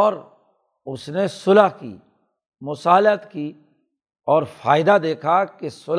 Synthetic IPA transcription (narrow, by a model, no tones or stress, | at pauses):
ɔːɾ | ʊsnesʊlaɦkḭː | mʊsaːlət̪kiː | ɔːɾfaːɪd̪ad̪eːkʰakesʊl